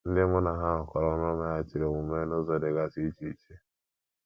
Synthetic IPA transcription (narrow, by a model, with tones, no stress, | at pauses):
n̩˦dɪ˦mʊ˦na˨ɦa˦ɦʊ˨kɔ˨ɾɔ˦n˦ɔ˦ma˦ja˦t͡ʃɪ˨ɾe˨mu˨me˦no˦zo˨de˨ɡa˦si˦t͡ʃi˦t͡ʃe˦